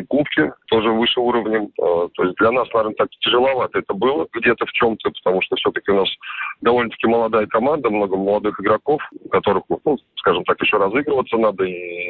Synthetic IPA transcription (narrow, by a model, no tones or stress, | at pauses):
kupkʲɪt̪o̞ʐɨvɨʂɨuɾəvnʲɪmət̪o̞̰ɪsʲt̚ʲd̪lʲɐnasnɐvʲernət̪aktʲɪʐɨlˠɐvat̪əɛt̪əbɨlˠəɡdʲe̞t̪əft͡ɕo̞mt̪əpə̥t̪ɐmuʂt̪ofsʲɵt̪əkʲɪʊnasd̪ɐvo̞lʲnət̪ə̥kʲɪməlˠɐd̪ajəkɐmand̪əmno̞ɡəməlˠɐd̪ɨxɪɡɾɐko̞fkɐt̪o̞ɾɨxnuskaʐɨmt̪akjɪɕːoɾɐzɨɡɾəvət̪sənad̪əi